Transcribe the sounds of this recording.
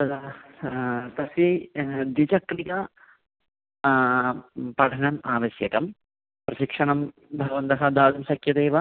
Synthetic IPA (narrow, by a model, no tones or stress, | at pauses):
ɐ | t̪ɐsʋid̪it͡ʃɐkɾikɐ | pɐʈʰɐɳɐmaːʋɐsjɐk̪ɐm | pɾɐʃikʂɐɳɐm | bʱɐɡɐʋɐnt̪ɐɦɐd̪aːlɐmsɐkʰjɐd̪eːʋɐ